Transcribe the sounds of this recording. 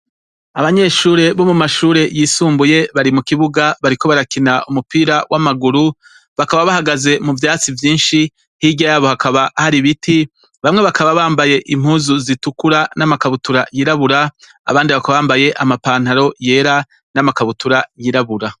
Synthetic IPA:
aβaɲe̞ːʃuːɾe̞βo̞mumaʃuːɾe̞jiːsuːmbuje̞βaɾimukiβuɡaβaɾiko̞βaɾakinaʔumupiːɾawʔamaɡuɾu | βakaβaβahaɡaze̞muvjaːt͡sivjiːnʃi | hiɟajaβo̞hakaβahaɾiβitʰi | βamŋe̞βakaβaβaːmbaje̞ʔimhuːzuzitukuɾanamakaβutuɾajiɾaβuɾa | a̰βaːndiβakaβaβaːmbaje̞ʔamapaːn̥aɾo̞je̞ːɾa | namakaβutuɾajiɾaβuɾa

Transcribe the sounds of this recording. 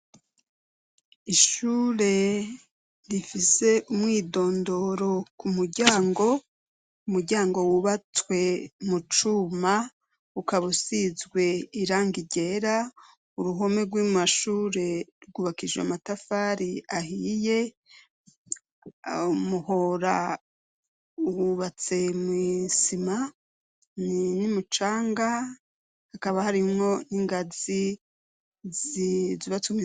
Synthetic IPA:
iʃuːɾe̞ | ɾifise̞ʔumŋiːdo̞ːndo̞ɾo̞kumuɾɟaːŋɡo̞ | umuɾɟaːŋɡo̞wuβat͡swe̞mut͡ʃuma | ukaβusizɡwe̞iɾaːŋɡiɟe̞ɾa | uɾuɦomeɾɡwimaʃuːɾe̞ɾɡuβakid͡ʒeamatafaːɾiahije̞ | umuho̞ɾa̰ | uuβat͡se̞mwisima | ninimut͡ʃaːŋɡa | hakaβahaɾimŋo̞niŋɡazi | zziβat͡sumi

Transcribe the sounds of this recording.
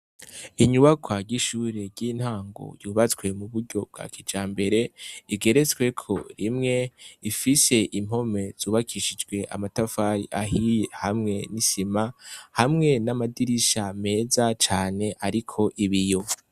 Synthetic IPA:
iɲuβakʰwaɾɟiʃuːɾe̞ɾɟiːn̥haːŋɡo̰juːβat͡skwe̞muβuɾɟo̞b̚ɡa̰ːkʰid͡ʒaːmbe̞ɾe̞iɡe̞ɾe̞t͡sɡwe̞kʰo̞ɾimŋe̞ifise̞ʔim̥ho̞me̞z̥uːβakʰiʃid͡ʒɡwe̞ʔa̰matafaɾiaɦijehamŋe̞nisimahamŋe̞namadiɾiʃame̞ːzat͡ʃaːne̞ʔaɾikʰo̞ʔiβijo

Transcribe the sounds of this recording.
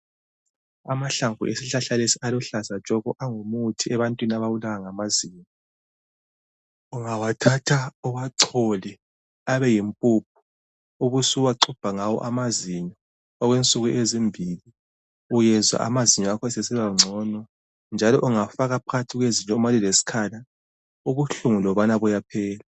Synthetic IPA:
amaɬaŋvṵʔesiɬaɬalesialɔɬasat͡ʃʼɔɣɔʔaŋomutʰiɛβantʼwiniaβawulaɣaŋamaziːɲɔ | uŋawatʰatʰaɔwaǀʰɔlɛ | aβɛjimpʼup̚ʰu̥ | uɣusuwaǀʰub̥ʱaŋawɔ̰ʔamaziɲɔ | ɔɣwent͡sʼuɣuʔezimbʱili | ujɛzwa̰ʔa̰maziɲɔakʰɔsɛsɛlaŋ͡ǀʱɔnɔ | nd͡ʒʱalɔʔuŋafaɣapʰatʰiɣweziɲʼɔmalilesi̥kʰala | uɣuɬuŋulɔβanaβɔjapʰɛːla

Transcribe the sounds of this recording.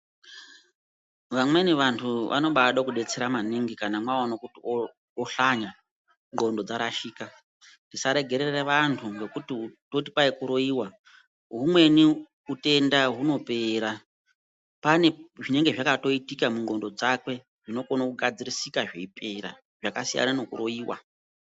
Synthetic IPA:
ʋamwe̞niʋantʰuʔa̰no̞ɓaɗokuɗe̞t͡se̞ɾamaniŋɡikanamwaonokutio | oɬaɲa | ŋɡo̞ndo̞d͡zaɾaʃiːka | ndisaɾe̞ɡʱe̞ɾe̞reʋantʰuŋɡe̞kutitoti̥paekuɾoiwa | ɦumwe̞ni | ute̞ndaɦuno̞pe̞ɾa | pane̞ʐine̞ŋɡe̞ʐakato̞itikamuŋɡo̞ndod͡zakwe̞ | ʐ̥ino̞ko̞nakuɡʱad͡zirisikaʐeipe̞ɾa̰ | ʐ̥akasija̰nano̞kuroiːwa̰

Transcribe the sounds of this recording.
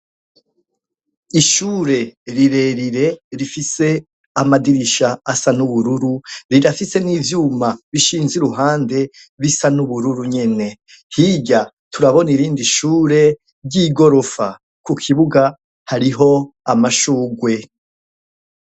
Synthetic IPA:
iʃuːɾe̞ɾiɾe̞ɾiɾe̞ɾifise̞ | amadiɾiʃaːsanuβuɾuɾuɾiɾafise̞nivjuːmaβiʃiːnziɾuɦaːnde̞ | βisanuβuɾuɾuɲe̞ne̞ | hiɟa | tʰuɾaβo̞niɾiːndiʃuːɾe̞ | ɾɟiɡo̞ɾo̞fa | kukʰiβuɡa | haɾiɦo̞amaʃuːɡwe̞

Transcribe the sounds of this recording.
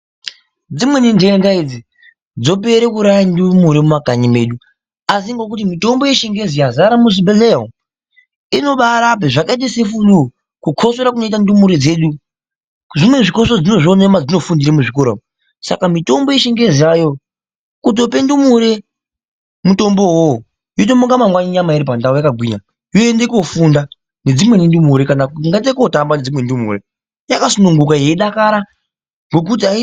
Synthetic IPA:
d͡zimwenindeŋɡaid͡zi | d͡zo̞p̬e̞ɾekuɾajandumuɾemumaɡʱaɲime̞ɗu | asiŋɡo̞k̬ut̬imito̞mbo̞jeʃeŋɡe̞zijazaɾamusibelea | ino̞ɓaɾap̬eʐakaet̬esefulu | kukʰo̞soɾakuno̞itandumuɾed͡ze̞ɗu | ʐimwe̞ʐikos̬od͡zino̞ʐonemad͡zino̞fundiɾemuʐikoɾa̰mu | sa̰kamito̞mbo̞jeʃeŋɡe̞ziajo̞ | kut̬ope̞ndumuɾe̞ | muto̞mbo̞wo | jot̬omuŋɡamaŋɡwaɲiɲamaiɾipandaɦujakaɡʱwiɲa | joendeko̞funda | ne̞d͡zimwe̞nindumuɾekanakŋɡantdekotambane̞d͡zimwe̞ndumṵɾe | jakasunuŋɡukaje̞iɗakaɾa | ŋɡo̞k̬ut̬iai

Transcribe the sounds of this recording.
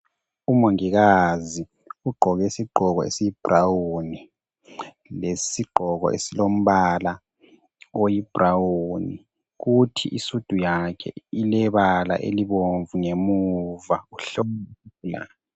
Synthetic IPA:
umoŋiɣazi | uɡ͡ǃʱɔɣesiɡ͡ǃʱɔɣɔḛsijib̥ʱrawuni | lesiɡ͡ǃʱɔɣɔ̰ʔesilom̩βala | ojib̥ʱrawuni | ɣutʰḭʔisud̥ʱujakʰɛ̰ilɛβala̰ʔḛliβoɱvuŋemuvauɬɔla̰

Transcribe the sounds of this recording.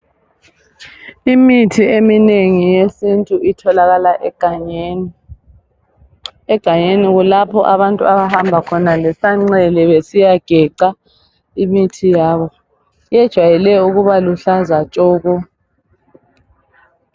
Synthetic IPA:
imitʰiemineŋijesintʼuʔitʰɔlaɣalaʔɛɡ̥ʱaɲeni | ɛɡ̥ʱaɲeniɣulapʰɔʔaβantʼṵaβahambʱakʰɔnalɛsaŋ͡ǀɛlɛβesijaɡ̥ʱɛǃa | imitʰijaβɔ | jɛd̥ʒ̥ʱwajɛlɛuɣuβaluɬazat͡ʃʼɔːɣɔ

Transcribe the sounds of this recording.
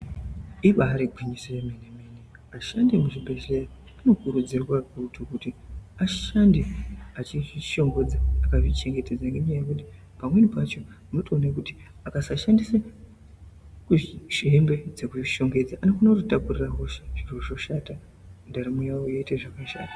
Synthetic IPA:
iɓaɦaɾeɡʱwiɲisojemenemene | aʃandimuʐibʱe̞ʃera | ano̞kuɾud͡zirwarutukutiaʃandiat͡ʃiʐiʃo̞ŋɡo̞d͡zaːkaʐit͡ʃe̞ŋɡe̞te̞d͡zaŋɡeɲajekuti | pamwe̞nipat͡ʃo̞ | anotoːnakuti | akasaʃandisa | kuʐʃembe̞d͡ze̞kuiʃo̞ŋɡe̞d͡zaʔanofonakutotapuriraɦoʃeʐirkuʐo̞ʃata | ndaɾimujawojeiteʐakaʃa̰ːta

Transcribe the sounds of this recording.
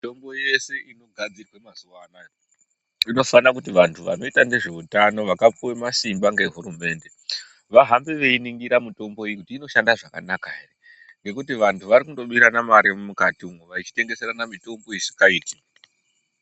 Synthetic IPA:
mito̞mbo̞je̞se̞ino̞ɡʱad͡zirwemazuwaːna | ino̞fanakutiʋantʰuʋa̰no̞itane̞ʐe̞utano̞ʋakap͡fuwemasimbaŋɡe̞ɦuɾume̞ːnde̞ | ʋaɦambeʋe̞iniŋɡiɾamito̞mbo̞ijikutiːno̞ʃandaʐaka̰nakaɦere | ŋɡe̞kutiʋantʰuʋaɾikundo̞ɓiɾanamaɾemmukatiumuʋait͡ʃi̥te̞ŋɡe̞seɾanamito̞mbo̞isikaiːti

